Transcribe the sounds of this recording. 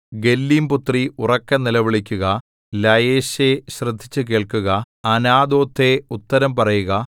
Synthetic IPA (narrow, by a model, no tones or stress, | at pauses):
ɡe̞lːimput̪riurɐkːɐnilɐʋiɭikʲːuɣɐ | lɐjeːɕeɕrɨd̪ʱːit͡ɕːɨke̞ːɭkuɣɐ | ɐnaːd̪o̞ːt̪ʰːe̞ut̪ːɐɾɐmpɐrɐjuɣɐ